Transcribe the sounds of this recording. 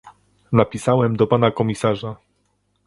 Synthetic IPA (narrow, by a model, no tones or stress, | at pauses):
napʲisawɛmd̪ɔpanakɔmʲisaʐa